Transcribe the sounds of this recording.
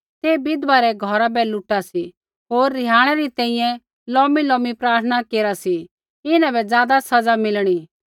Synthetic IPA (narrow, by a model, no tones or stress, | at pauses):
t̪eːbɪd̪ʋaɾɛɡʱɔɾabɛlʊʈasi | ɦoːɾːɪɦaːɽ̃ɛɾit̪ɛ̃ĩjɛ̃ | lɔːmilɔ̃ːmipɾaːɾt̪ʰənakeːɾasi | ɪnãbɛd͡zjaːd̪asɐd͡zamɪlɽ̃i